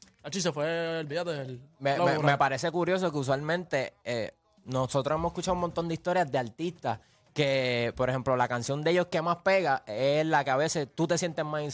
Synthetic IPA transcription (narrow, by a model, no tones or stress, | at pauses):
at͡ʃisefweːlbiat̪eelmeemepaɾe̞se̞kuɾjo̞s̬o̞keus̬walmẽnt̪e̞e | no̞so̞t̪ɾoemosekut͡ʃaβumo̞nt̪o̞nd̪eist̪o̞ɾjazd̪ealt̪ist̪a | ke̞po̞ɾehe̞mplo̞lakansjo̞nd̪eʝo̞ske̞maspe̞ɣaelakeaβe̞sest̪ut̪e̞sjent̪e̞zmasin